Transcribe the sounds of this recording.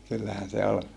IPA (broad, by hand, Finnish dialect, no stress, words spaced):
kylːæhæn se ol